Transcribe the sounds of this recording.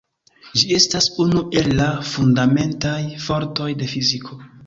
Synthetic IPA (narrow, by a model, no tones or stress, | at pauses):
d͡ʒie̞stasunuʔe̞lːafundame̞ntajfo̞ɾto̞jde̞fizikʰo̞